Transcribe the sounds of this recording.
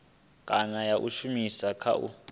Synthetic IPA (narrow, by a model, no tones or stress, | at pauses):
kʼanajaʔuʃumisakʰa̰ʔṵ